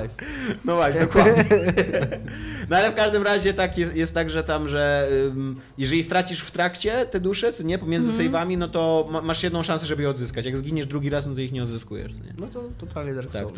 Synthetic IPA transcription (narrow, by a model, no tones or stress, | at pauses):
nɔvad̪ɔkad̪ɲɛ | nɔalɛfkaʐd̪ɘmɾaʑɛt̪akjɛst̪jɛst̪ːaɡʐɛt̪amʐɛm | jɛʐɛlʲist̪ɾat͡ɕiʂft̪ɾakt͡ɕɛt̪ɛd̪uʂɛt̪sɔɲɛpɔmʲjɛnzɘsɛjvamʲinɔt̪ɔmamaʂjɛd̪nɔ̃w̃ʂãnsɛʐɛbɘjɛɔd̪zɘskat͡ɕjaɡzɡʲiɲɛʐd̪ɾuɡʲiɾasnɔt̪ɔixɲɛɔd̪zɘskujɛ̰ʂɲɛ̰nɔt̪ɔt̪ɔt̪ʰalɲɛd̪ɾaa̰kt̪